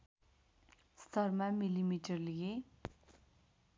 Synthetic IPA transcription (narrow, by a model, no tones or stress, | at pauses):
st̪ʰʌrmamilimiʈʌrliɡe